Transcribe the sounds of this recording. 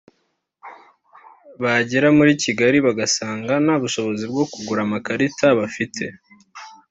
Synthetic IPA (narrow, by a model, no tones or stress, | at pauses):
βaɟeɾamuɾiciɡaɾiβaɡasaːŋɡanaβuʃo̞βo̞zibɡo̞kuɡuɾamakaɾitaβafitʰe̞